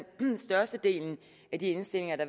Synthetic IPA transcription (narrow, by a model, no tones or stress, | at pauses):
nsd̥ɶɐsd̥əd̥e̝̰ːln̩ | æd̥ie̝nsd̥e̝l̰e̝ŋɐd̥ɑ̈